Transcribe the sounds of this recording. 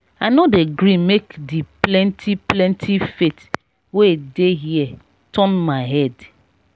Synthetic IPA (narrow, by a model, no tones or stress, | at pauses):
aɪnodeɡɾimekdiplɛ̃ntʰiplɛ̃ntʰifet | wedeɦiɛ | tʰɔ̃nmaɪɦɛd